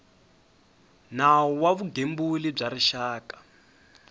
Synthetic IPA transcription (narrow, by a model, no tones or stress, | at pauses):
naɔwaβuɡembulib͡ʐaɾiʃaːkḁ